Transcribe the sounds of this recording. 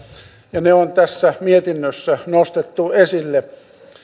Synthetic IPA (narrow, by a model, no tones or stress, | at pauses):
jɑneont̪æsːæmiet̪inːøsːænost̪et̪ːuesilːe